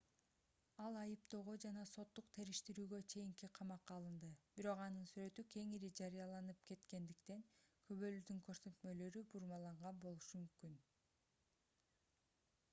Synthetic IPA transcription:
ɑlˠɑjɯp̚t̪oːʁo̞d͡ʒɑnɑso̞t̪ːuqt̪ʰeɾiʃt̪iɾyːɡø̞t͡ʃʰe̞jiŋkiqʰɑmɑqːɑːlˠɯnd̪ɯb̥iɾo̞qɑnɯnsyɾø̞t̪ykʰe̞ŋiɾid͡ʒɑɾɯjɑlˠɑnɯp̚ke̞t̪ke̞nd̪ikt̪e̞ŋkʰø̞βø̞lyd̪yŋkʰø̞ɾsø̞t̪mø̞lø̞ɾybuɾmɑlˠɑɴʁɑnbo̞lˠuʃumymkyn

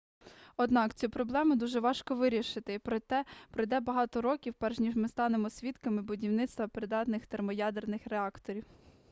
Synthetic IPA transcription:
ɔd̪nɑkt͡sʲipɾɔblˠɛmʊd̪uʒɛʋɑʃkɔʋɪɾʲiʃɪt̪ɪpɾɔt̪ɛpɾɔjd̪ɛbɐɦɑt̪ɔɾɔkʲiwpɛrʒnʲiʒmɪst̪ɑnemɔsʲʋʲit̪kɐmɪbʊdʲiwnɪt̪st̪ʋɐpɾɪd̪ɑt̪nɪxt̪ermɔjɑd̪ernɪxɾeɑkt̪ɔɾʲiw

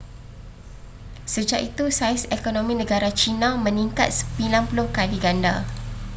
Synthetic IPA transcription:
səd͡ʒaʔit̪usajsekonõmĩnə̃ɡaɾat͡ʃinãmə̃nĩŋkat̪̚sə̥pilamplokaliɡanda

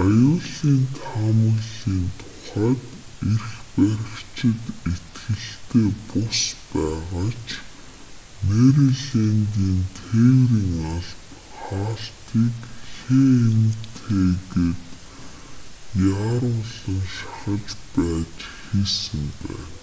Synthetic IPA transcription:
ajʊːɮiːnt̪ʰamə̆ɮiːnt̪ʰʊ̥χæːt̪ | erxpæɾʲɪ̆kt͡ɕʰɪ̆t̪et̪ɡɘ̆ɬt̪eːpʊspæːʁaːt͡ɕʰ | meɾiɮenɡiːnt̪ʰewriːŋaɮt̪ | χaːɬt̪iːkxeːent̪ʰeːɣeːt̪ | jaɾʊːɮə̆ŋʃḁχə̆t͡ɕpæːt͡ɕxiːsɘ̆mpæ̰ː

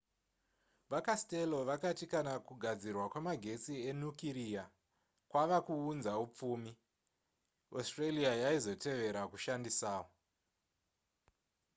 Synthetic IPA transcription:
ʋakastelo̞ʋakatikanakuɡʱad͡zirwakwemaɡʱe̞t͡sie̞nukiɾija | kwaʋakuːnzaup͡fuːmi | ostreliajaizo̞tʰe̞ʋe̞ɾakuʃandisaːwo

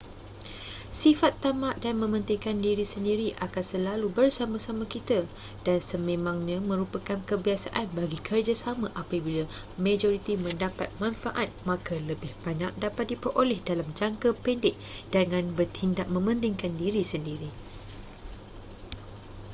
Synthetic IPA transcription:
sifat̪ːamaʔdanmə̃mə̃nt̪ɪŋkandiɾisəndiɾiʔakansəlalubərsamãsamãkit̪a | d̥ansəmẽmãŋɲãmə̃ɾupakankəbiasa̰ʔanbaɡikərd͡ʒasamãʔapabila | mẽd͡ʒoɾit̪imə̃ndapat̪̚mãnfaʔat̪̚mãkaləbɪhb̥aɲak̚dapat̪̚dipərʔolɛhdalamd͡ʒaŋkəpɛndɪʔ̚d̥əŋãnbərt̪ʰindaʔ̚mə̃mə̃nt̪ɪŋkandiɾisəndiɾi

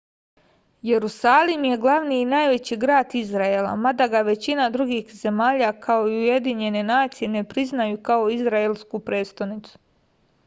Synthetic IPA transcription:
je̞ɾusaːlimje̞ɡlˠaʋniːnajʋe̞t͡ɕiɡɾaːd̪izɾaelˠa̰mad̪aɡaʋe̞t͡ɕinad̪ɾuɡixze̞maːʎakʰao̞iujed̪iɲe̞ne̞naːt̪sije̞ne̞pɾiznajukao̞izɾaelˠskupɾe̞ːt̪st̪onit̪su̥

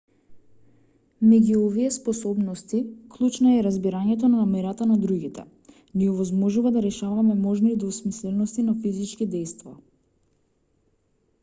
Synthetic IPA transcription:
mɛɟuɔviɛspɔsɔbnɔst̪iklˠut͡ʃnaɛɾazbiɾaɲɛt̪̬ɔnanamɛɾat̪anad̪ɾuɡit̪ɛ̰ | niɔvɔzmɔʒuvad̪aɾɛʃavamɛmɔʒniːd̪ɔsmislɛnɔst̪inafizit͡ʃkid̪ɛjst̪va̰

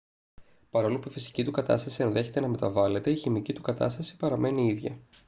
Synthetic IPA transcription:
pɐɾo̞lupuifisi̥cit̪ukɐt̪ɐ̰st̪ɐsienðe̞çe̞t̪e̞nɐme̞t̪ɐvɐle̞t̪e̞içimicit̪ukɐt̪ɐ̰st̪ɐsi̥pɐɾɐme̞niiðʝɐ̰

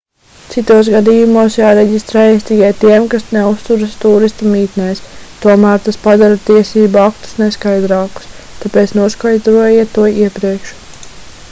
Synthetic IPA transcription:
t̪sit̪uɔsɡad̪iːjumuɔsjaːɾɛɟʲist̪ɾɛːjst̪iɡʲiɛt̪iɛmkasnɛust̪uɾast̪uːɾist̪amiːt̪nɛːst̪uɔmæːɾt̪aspad̪aɾat̪iɛsiːbuakt̪u̥sneskajd̪ɾɑːku̥st̪apeːt̪snuɔskajd̪ɾuɔjɛt̪ːuɔiɛpɾiɛkʃ

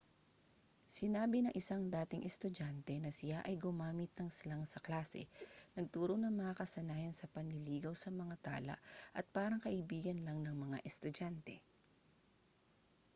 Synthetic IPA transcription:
sɪnaːbɪnɐŋʔɪsaŋd̪aːt̪ɪŋʔɛst̪ʊd͡ʒant̪ɛnɐsɪjaʔɐjɡʊmaːmɪt̪̚nɐŋslaŋsɐklaːsɛ̰nɐɡ̚t̪uːɾonɐŋmɐŋakɐsɐnaːhɐnsɐpɐnlɪliːɡɐwsɐmɐŋat̪a̰ːlɐ̰ʔʔɐt̪̚paːɾɐŋkɐʔɪbiːɡɐnlɐŋnɐŋmɐŋa̰ʔɛst̪ʊd͡ʒant̪ɛ̰

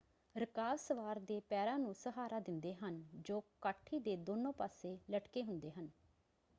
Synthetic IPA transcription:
ɾəkaːlsəʋaːɾd̪eːpɛːɾãːnũːsəɦaːɾaːd̪ɪnd̪eːɦənd͡ʒoːkaːʈʰːiːd̪eːd̪oːnõːpaːseːləʈkeːɦʊnd̪eːɦən

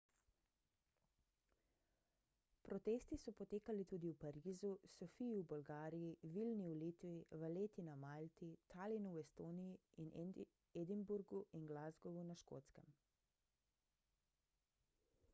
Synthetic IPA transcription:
pɾɔt̪eːst̪isɔpɔt̪eːkalit̪uːd̪iwpaɾiːzusɔfijiwbɔlɡaːɾijiʋilniulit̪ʋiʋəleːt̪inamalt̪it̪ʰalinuwɛst̪oːnijiin | ed̪imbuɾɡuinɡlaːzɡɔʋunaʃko̰ːt̪skəm

